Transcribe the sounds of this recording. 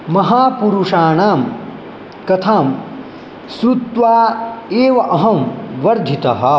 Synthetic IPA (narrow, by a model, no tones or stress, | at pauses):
mɐɦaːpuɾuʂaːɳaːm | kɐt̪ʰaːm | sɾut̪ʋaːeːʋɐʔɐɦɐmʋɐɾd̪ʱit̪ɐɦɐ̆